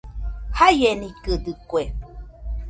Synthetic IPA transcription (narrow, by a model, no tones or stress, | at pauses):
hajenĩkəd̪ɨkwe